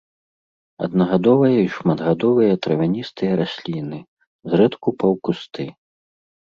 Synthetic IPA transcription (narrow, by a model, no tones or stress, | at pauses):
ɐ̰d̪nɐɣad̪ɔvɐjɐiʂmɐd̪ɣad̪ɔvɨjɐt̪ɾɐvʲanʲist̪ɨjɐɾasʲlʲinɨ | zɾɛt̪kupɐwkust̪ʰɨ